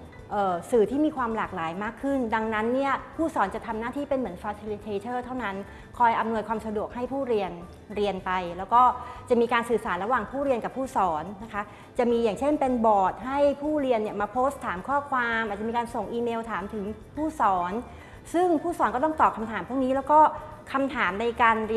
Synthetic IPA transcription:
ʔɤː˨˩sɯː˨˩t̪ʰiː˥˩miː˧kʰwaː˧mlaː˨˩k̚laː˩˦jmaː˥˩kʰːɯ˥˩nda˧ŋna˦˥nːi˥˩ɐpʰuː˥˩sɔː˩˦nt͡ɕa˨˩t̪ʰa˧mnaː˥˩t̪ʰiː˥˩pe˧nmɯ˩˦ənfaː˧sʰi˧li˧t̪ʰeː˧t͡ɕʰɤː˥˩t̪ʰa˥˩wna˦˥n | kʰɔː˧jʔa˧mnu˧əjkʰwaː˧msa˧du˨˩ək̚ha˥˩jpʰuː˥˩ɾi˧ən | ɾi˧ənpa˧jlɛː˦˥wkɔː˥˩t͡ɕa˨˩miː˧kaː˧nsɯː˨˩saː˩˦nɾa˧waː˨˩ŋpʰuː˥˩ɾi˧ənka˨˩pʰːuː˥˩sɔː˩˦nːa˦˥kʰa˦˥ | t͡ɕa˨˩miː˧jaː˨˩ŋt͡ɕʰe˥˩npe˧nbɔː˨˩t̪̚ɦa˥˩jpʰuː˥˩ɾi˧ənːi˥ɐmaː˧pʰoː˦˥st̪ʰːaː˩˦mkʰɔː˥˩kʰwaː˧mʔa˨˩t̚t͡ɕa˨˩miː˧kaː˧nso˨˩ŋʔiː˧meː˧wt̪ʰaː˨˩˦mt̪ʰɯ˩˦ŋpʰuː˥˩sɔː˩˦n | sɯ˥˩ŋpʰuː˥˩sɔː˩˦nkɔ˥t̪̬ɔ˥ŋt̪ɔː˨˩p̚kʰa˧mt̪ʰaː˨˩˦mpʰu˥˩k̚niː˦˥lɛ˦˥wkɔː˥˩ | kʰa˧mt̪ʰaː˩˦mna˧jkaː˧nɾi˧

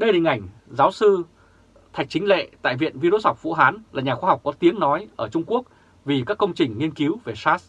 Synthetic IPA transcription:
ɗə˧jhï˨˩ŋ̟ʔa˧˩jŋ̟ | zaː˨˦wsɨ˧ | t̪ʰa˨˩jk̚t͡ɕï˨˦ŋ̟lḛ˧˨t̪a̰ː˧˨jvḭ˧˨ənvi˧ɾo˧sɔ˨˩k͡p̚vṵ˧˥ɦaː˨˦nlaː˨˩ɲaː˨˩xwa˧ɦa˨˩wk͡p̚kɔ˨˦t̪i˨˦əŋnɔ˨˦jʔəː˧˩t͡ɕʊ˧ŋ͡mku˦˥ək̚ | vi˨˩kaː˦˥kːə˧wŋ͡mt͡ɕï˨˩ŋ̟ŋi˧ənki˨˦wve˨˩saː˦˥s

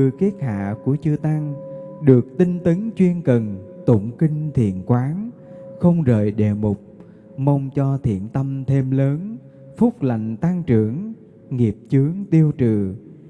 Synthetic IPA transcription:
t̪ɨ˧˩ke˦˥t̚ha̰ː˧˨ku˧˩ət͡ɕɨ˧t̪a˧ŋ | ɗɨ˨˩ək̚t̪ï˧ŋ̟t̪ə˨˦ŋt͡ɕwi˧ənkə˨˩nt̪ʊ˧˩ŋ͡mkï˧ŋ̟t̪ʰḭ˧˨ənkwaː˨˦ŋxə˧wŋ͡mzəː˧˨˩jɗḛ˧˩mʊ˨˩k͡p̚ | mə˧wŋ͡mt͡ɕɔ˧t̪ʰḭ˧˨ənt̪ə˧mt̪ʰe˧mləː˨˦n | fʊ˦˥k͡p̚la̰˧˨jŋ̟t̪a˧ŋt͡ɕɨ˧˩əŋ | ŋi˨˩əp̚t͡ɕɨ˨˦əŋt̪i˧əwt͡ɕɨ˨˩

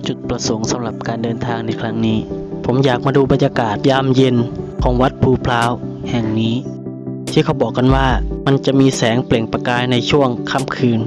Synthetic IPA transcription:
t͡ɕu˨˩t̪̚pɾa˧so˩˦ŋsa˨˦mɾa˧˩p̚kaː˨ndɤː˧nt̪ʰaː˧ŋna˧jkʰɾa˦˥ŋniː˦˥pʰo˩˦mjaː˨˩k̚maː˧duː˧˩ba˨˧˨njaː˧kaː˨˩t̪̚jaː˧˩˨mje˧nkʰɔː˩˦ŋwa˦˥t̪̚pʰuː˧˩pʰlaː˦˥whɛ˨˩ŋniː˦˥ | t̪ʰiː˧˩kʰa˧˩wbɔː˨˩k̚ːa˧˨nwaː˧˩ma˧˨nt͡ɕa˨˩miː˧sɛː˨˦ŋple˨˩ŋpa˧kaː˧jna˧jt͡ɕʰu˥˩əŋkʰa˧˥˩mkʰɯː˧n

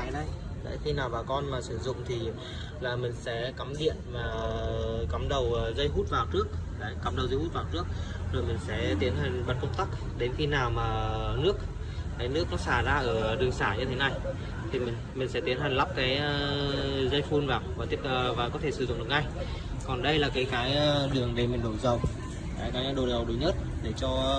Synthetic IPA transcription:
a˧˨jɗə˧j | ɗa̰˧˦jxi˧naː˨˩wvaː˨˩kɔ˧nmaː˨˩si˧˩əzʊ̰˧˨ŋ͡mt̪ʰi˨˩ | laː˨˩mï˨˩ŋ̟sɛ̰˧˥ka˨˦mɗḭ˧˨ənmaː˨˩ | ka˨˦mɗə˨˩wzə˧jhu˦˥t̚vaː˨˩wt͡ɕɨ˦˥ək̚ɗaː˨˦jka˨˦mɗə˨˩wzə˧jhu˦˥t̚vaː˨˩t͡ɕɨ˦˥ək̚zo˨˩jmi˨˩ŋ̟sɛ̰˧˥t̪i˨˦ənɦï˨˩ŋ̟ɓə˨˩t̚kə˧ŋ͡mt̪a˦˥k̚ | ɗe˨˦nxi˧naː˨˩wmaː˨˩nɨ˦˥ək̚ | kaː˨˦jnɨ˦˥əkːa˨˦saː˧˩zaː˧ʔəː˧˩ɗɨ˨˩əŋsaː˧˩ɲɨ˧t̪ʰe˨˦na˧j | t̪ʰi˨˩mï˨˩ŋ̟mï̟˨˩sɛ̰˧˥t̪i˨˦ənhi˨˩ŋ̟la˦˥p̚kaː˨˦jzə˧jfu˧nvaː˨˩waː˨˩t̪i˦˥əpːvaː˨˩kɔ˨˦t̪ʰe˧˩sɨ˧˩ʊ̰˧˨ŋ͡mɗŋa˧˩j | kɔ˨˩nɗə˧jlaː˨˩kaː˨˦jkaː˨˦jɗɨ˨˩əŋɗe˨˩mï˨˩ŋ̟ɗo˨˩zə˨˩w | kaː˨˦jkaː˨˦jɗo˨˩zə˨˩wɗə˨˦ɲə˦˥t̚ɗe˧˩t͡ɕɔ˧

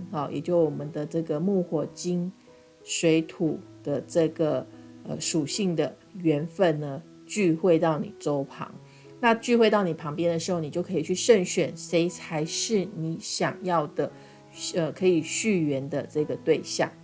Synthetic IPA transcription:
xɑ˨˩jʔɛ̰˨˩t͡ɕjo˥˩ʊwɔ˨˩mə˦nd̪ə˧ʈ͡ʂɤ˥˩ɡə˩mu˥˧xwɔ˨˩t͡ɕi˥n | swe˧˥ɪt̪ʰu˨˩d̪̥ə˨ʈ͡ʂɤ˥˩ɡə˩ə̰˧ʂu˨˩ɕi˥˩ŋd̪ə˩ | ɥɛ˧˥nfə˥˩nnə˩ | t͡ɕy˥˧xwe˥˧ɪt̪ɑ˥˩ʊnḭ˨˩ʈ͡ʂo˥ʊpʰɑ̰˧˥ŋ | na˥˧t͡ɕy˥˧xwe˥˧ɪt̪ɑ˥˩ʊni˨˩pʰɑ˧˥ŋpjɛ˥nd̪ə˨ʂɻ̩˧˥xo˥˩ni˨˩jo˥˩ʊkʰi˨˩t͡ɕʰy˥˩ʂə˥˩ŋɕɥɛ˨˩nse˥ɪt͡sʰa˧˥ɪʂɻ̩˥˩ni˧˥˦ɕjɑ˨˩ŋjɑ˥˩ʊd̪ə˩ | ə˧˩kʰɤ˧˥i˨˩ɕy˥˩ɥɛ˧˥nd̪ə˧ʈ͡ʂɤ˥˩ɡə˩t̪we˥˧ɪɕjɑ̰˥˩ŋ

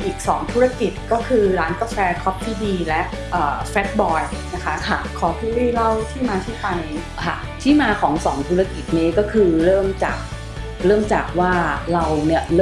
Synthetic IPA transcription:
ʔiː˨˩k̚sɔː˩˦ŋt̪ʰu˦˥ɾa˥˧ki˨˩t̪̚kɔː˥˩kʰɯː˧ɾaː˦˥nka˧˩fɛː˧kʰɔ˦˥p̚t̪ʰiː˥˩diː˧lɛ˦˥ʔ | ʔɤː˨˩fɛ˦˥t̪̚bɔː˧jna˦˥kʰa˦˥˧kʰɔː˩˦t̪ʰuː˥˩liː˥˩la˥˩wt̪ʰiː˥˩maː˧t̪ʰiː˥˩pʰa˧j | kʰa̰˥˩ | t̪ʰiː˥˩maː˧kʰɔː˩˦ŋsɔː˩˦ŋt̪ʰuː˦˥ɾa˥˧ki˨˩t̪̚niː˦˥kɔː˥˩kʰɯː˧ɾɤː˥˩mt͡ɕa̰ː˨˩k̚ | ɾɤː˥˩mt͡ɕaː˨˩k̚waː˥˩ɾa˧wni˥˩ɐɾ

